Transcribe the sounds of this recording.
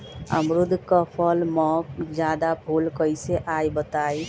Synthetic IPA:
ə̰mɾud̪ʱkəpʰəlmɔkd͡ʒjad̪abʱulkəjseʔajbət̪aj

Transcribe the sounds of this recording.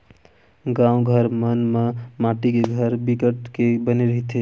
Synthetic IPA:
ɡãũɡʱəɾmənmemaʈikeɡʱəɾbikəʈkebəneɾəɦit̪e

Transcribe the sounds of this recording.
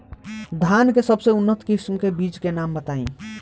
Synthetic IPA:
d̪ʱankesəbseunːət̪kɪsmkebit͡ʃkenambət̪aḭ̃

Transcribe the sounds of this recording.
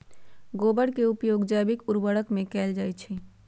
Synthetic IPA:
ɡobəɽkeupjoɡd͡ʒabikuɾbəɽəkmẽkɛːld͡ʒaːjt͡ʃʰɛ

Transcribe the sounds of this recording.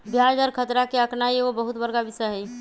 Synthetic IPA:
bʱjaːd͡ʒɔːɾkʰət̪ɾakeəknaieʋobəɦʊt̪bəɾɡabɪsəɦɛi

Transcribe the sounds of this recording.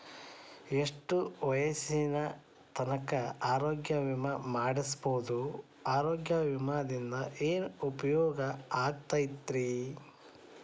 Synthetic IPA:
e̞ʂʈuʋɐjɐsinɐ | t̪ʰɐnɐkɐaːɾoːɡjɐʋimɐmaːɽisboːd̪u | aːɾoːɡjɐʋimaːd̪ind̪ɐʔeːnupɐjɔːɡɐaːɡ̚t̪ajit̪ːɾi

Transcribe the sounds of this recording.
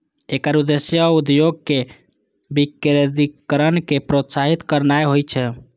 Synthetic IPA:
ekəɾud̪esjəud̪joɡ̚ke | bikɾed̪ikəɾənkepɾot̪saɦit̪kəɾnajɦojt͡ʃʰɛ

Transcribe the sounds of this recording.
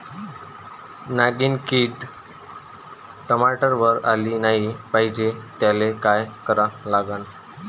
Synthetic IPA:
naɡiːnkiːʈ | ʈəmaʈəɾʋəɾaliːnaɦipaɦid͡ʑet̪jalekajkəɾalaɡan

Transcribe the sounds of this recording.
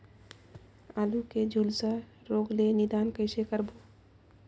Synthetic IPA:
aːluked͡ʒʱuːlsə | ɾoːɡlenɪd̪aːnkəɪsekəɾbo

